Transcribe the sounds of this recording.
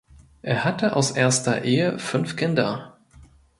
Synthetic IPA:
ʔeːɐhatəʔa̰ʊsʔeːɐstɐ̰ʔeːəfʏnfkʰɪndɐ

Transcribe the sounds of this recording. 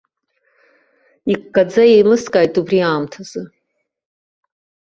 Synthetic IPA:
ikːad͡zajejmɨskʼaːjtʼubriaːmtʰaz̥ɨ

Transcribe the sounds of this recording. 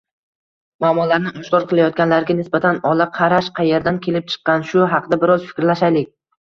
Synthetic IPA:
maːmɒlaɾnɪʔɒʃkʰɒɾqʰɨlˠajɒt̪̚ɡʲanlaɾɡʲanɪsbat̪ʰanɒlˠaqʰɑɾaʃqʰɑje̞ɾd̪ankʲʰe̞lɪp̚t͡ʃʰɨ̥qːɑnʃʊɑqʰɨd̪abɪɾɒzfɪ̥kʲɾlaʃajlɪkʲ

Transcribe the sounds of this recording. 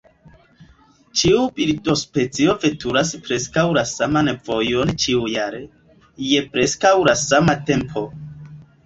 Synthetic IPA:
t͡ʃiubiɾto̞spe̞t͡sio̞ve̞tuɾaspɾe̞skawlasamanvo̞jont͡ʃiujaɾe̞ | je̞pɾe̞skawlasamate̞mpʰo̞

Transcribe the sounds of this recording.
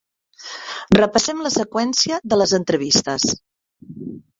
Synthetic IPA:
rəpəsɛmləsəkwɛnsiəðələzənt̪ɾəβ̞ist̪əs

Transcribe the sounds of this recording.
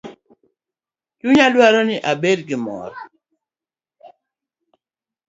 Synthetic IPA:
t͡ʃuɲalwaɾɔnɪʔabedkimɔ̰ɾɔ

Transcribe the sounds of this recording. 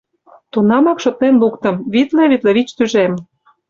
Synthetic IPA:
t̪unɑmɑkʃŏt̪̚nenlukt̪ə̆mβit̪leβit̪leβit͡ɕt̪yʒem

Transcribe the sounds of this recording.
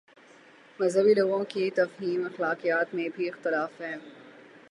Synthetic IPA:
mɐzɦəbiloːɡõkit̪ɐfɦiːmɐxlaːqijaːt̪mẽbʱiɪxt̪ɪlaːfɦɛ̃ː

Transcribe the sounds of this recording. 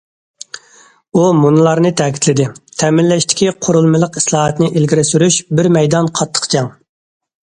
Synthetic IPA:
umunɨlˠɑɾnɨt̪ʰɛkʲʰi̥t̪lɪd̪ɪt̪ʰɛmɪlːɛʃt̪ʰɪ̥kʲiqʰoɾulˠmɨlˠəqislˠɑːɦɑt̪nɪʔilɡʲiɾɪsyɾyʃbɪɾmɛjd̪ɑnqʰɑt̪ʰːə̥qt͡ʃʰɑŋ

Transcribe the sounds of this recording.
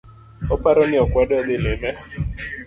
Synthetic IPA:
ɔpaɾɔniɔkwaɗðɪlɪmɛ

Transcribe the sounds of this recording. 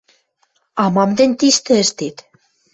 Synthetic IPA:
ɑmɑmd̪ent̪iʃt̪ə̆əʃt̪it̪

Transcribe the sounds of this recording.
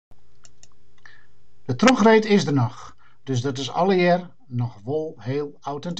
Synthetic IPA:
d̥ətroxreːtɪsdərnɔx | d̥øs̬dɔtɪsɔ̰ləjɛr | nɔxʋolˠheːlˠawtɛnt

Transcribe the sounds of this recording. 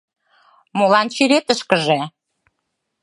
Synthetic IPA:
molɑnt͡ɕyɾet̪əʃkəʒe

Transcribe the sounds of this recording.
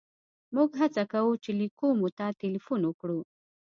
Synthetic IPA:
muɡɦat͡sakawut͡ʃelikomut̪at̪ilifunwəkɽu

